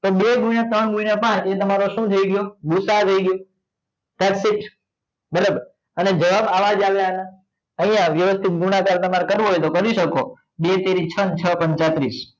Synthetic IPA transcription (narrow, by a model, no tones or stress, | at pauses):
t̪oɓeɡũjãt̪əɳɡũnapãt͡ʃẽt̪əmaɾoʃũt̪ʰəiɡjoɡusat̪ʰəiɡjo | t̪aʈsɪʈ | bəɾəb | əned͡ʒəʋamaʋad͡ʒaʋjaɦəna | əɦĩjãʋjəʋəst̪ʰit̪̚ɡũɽ̃akalt̪əmaɾekəɾʋoɦojt̪okəɾiʃəko̰ | bet̪eɾit͡ʃʰənt͡ʃʰəpənt͡ʃat̪ɾis